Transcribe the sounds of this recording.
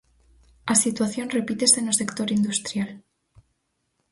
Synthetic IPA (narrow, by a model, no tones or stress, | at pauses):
asit̪waθjo̞nre̞pit̪e̞sðenose̞kt̪o̞ɾind̪ust̪ɾjal